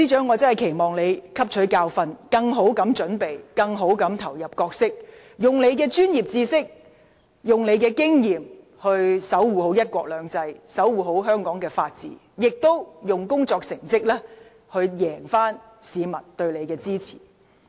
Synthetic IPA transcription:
t͡siː˥t͡ʃœː˨˥ŋːɔː˨˧t͡sɐ˥nhɐ˨˩jkʰe˨˩jmɔː˨˩ŋle˨˧jkʰɐ˥p̚t͡ʃʰɵ˨˥kaː˧wfɐ˧nkɐ˧ŋɦo˨˥wkɐ˨˥mt͡ʃɵ˨˥npe˨jkɐ˧ŋɦo˨˥wkɐ˨˥mt̪ʰɐ˨˩wjɐ˨˩p̚kɔː˧k̚sɪ˥k̚ | jʊ˨ŋle˨˧jkɛː˧t͡ʃyː˥njiː˨p̚t͡siː˧sɪ˥k̚ | jʊ˨ŋle˨˧jkɛː˧kɪ˥ŋjiː˨m | hɵ˧ɥsɐ˨˥wwuː˨ho˨˥wjɐ˥t̚kʷwʷɔː˧k̚lœː˨˧ŋt͡sɐ˧jsɐ˨˥wwuː˨˩ɦo˨˥wɦœː˥ŋkɔː˨˥ŋkɛː˧faː˧t̚t͡sḭː˨˥ | jɪ˨k̚t̪o˥wjʊ˨ŋkʊ˥ŋt͡sɔː˧k̚sɪ˨˩ŋt͡sɪ˥k̚lɛː˥ | hɵ˧ɥjɛː˨˩ŋfaː˥n | siː˨˧mɐ˨˩nt̪ɵ˧ɥle˨˧jkɛː˧t͡siː˥t͡sʰi̥̰ː˨˩

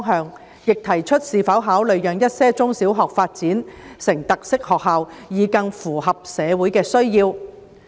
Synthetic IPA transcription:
ɔ˥ŋɦœː˨˧ŋ | jɪ˨k̚t̪ʰɐ˨˩jt͡ʃʰɵ˥t̚siː˨fɐ˨˥wɦaː˨˥wlɵ˨˧ɥjœː˨ŋjɐ˥t̚sɛː˥t͡sʊ˥ŋsiː˨˥wɦɔː˨k̚faː˧t̚t͡siː˨˥nsɪ˨˩ŋt̪ɐ˨k̚sɪ˥k̚hɔː˨k̚ɦaː˨wjiː˨˧kɐ˧ŋfuː˨˩hɐ˨p̚sɛː˨˧wuː˨˥jkɛː˧sɵ˥ɥjiː˧w

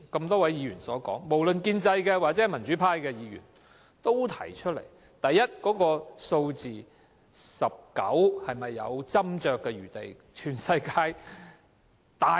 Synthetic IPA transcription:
kɐ˧mt̪ɔː˥wɐ˨˥jiː˨˧ɥyː˨˩nsɔ̰ː˨˥kɔ̰ː˨˥ŋmo˨˩wlɵ˨nkiː˧nt͡sɐ˧jkɛː˧waː˨k̚t͡sɛː˨˥˩mɐ˨˩nt͡ʃy˨˥pʰaː˥jkɛː˧jiː˨˧ɥy̰˨˩n | t̪o˥wt̪ʰɐ˨˩jt͡ʃʰɵ˥t̚lḛ˨˩j | t̪ɐ˨jːɐ˥t̚kɔː˨˥kɔː˧so˧wt͡siː˨˩ | sɐ˨p̚kɐ̰˨˥whɐ˨jmɐ˨jːɐ̰˨˧wt͡sɐ˥mt͡ʃœː˨kːɛ˧ɥyː˨˩t̪ḛ˨j | t͡ʃʰyː˨˩nsɐ˧jkaː˧j | t̪aː˨

